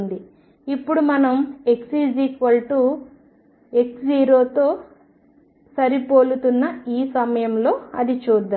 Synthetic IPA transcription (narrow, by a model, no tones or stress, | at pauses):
nd̪i | ipːuɽumɐnɐme̞ksiːd͡ʒiːkʋɐlʈu | e̞ksiːɾoːt̪o̞ː | sɐɾipoːlut̪unːɐiːsɐmɐjɐmlo̞ːɐd̪it͡ʃuːd̪ːaː